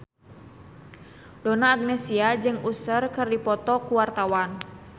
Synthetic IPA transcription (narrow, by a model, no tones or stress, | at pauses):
donaːɡ̚nɛsiad͡ʒɨŋusərkɨrdipɔt̪ɔkuwart̪awan